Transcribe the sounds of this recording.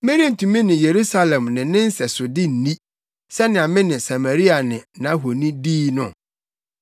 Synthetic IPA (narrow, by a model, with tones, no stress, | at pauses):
me˦ɾi˦e˦n̩˨tʰũ˨mĩ˦nɪ̃˨je˨ɾu˦sa˦lɛ̃˨mnɪ̃˨nɪ̃˦n̩˦sɛ˨sʊ˨dɪ˦n̩˨nĩ˦ | sɛ˦nɪ̃˨a˨mɪ̃˦nɪ̃˨sa˨ma˨ɾi˦a˨nɪ̃˨nã˦ɦo˨nĩ˦diː˦nʊ̰̃˨